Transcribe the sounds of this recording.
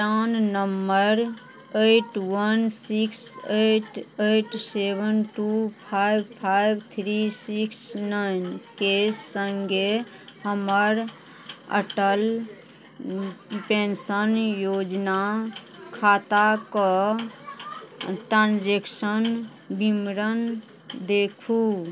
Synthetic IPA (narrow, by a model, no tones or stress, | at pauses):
ʈannəmːəɾ | eʈwənsikseʈeʈsebənʈupʰajpʰajbt̪ʰɾisiksnaɪnkesəŋɡe | həməɾ | ə̰ʈəl | pẽnsənjod͡ʒnakʰat̪akɔ | ʈɾãnd͡ʒeksən | bimɾən | d̪ekʰu